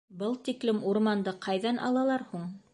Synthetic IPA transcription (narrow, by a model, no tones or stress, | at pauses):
bɤlˠt̪iklɘmuɾmɑnd̪ɤqʰɑjðɑnɑ̰lˠɑlˠɑɾhuɴ